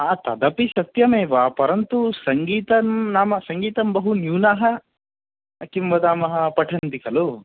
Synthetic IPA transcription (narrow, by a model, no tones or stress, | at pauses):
aːt̪ɐd̪ɐpisɐt̪jɐmeːʋaːpɐɾɐnt̪usɐŋɡiːt̪ɐmnaːmɐsɐŋɡiːt̪ɐmbɐɦunjuːnaːɦɐ | ɐkimbɐd̪aːmɐɦɐpɐʈʰɐnt̪ikɐlu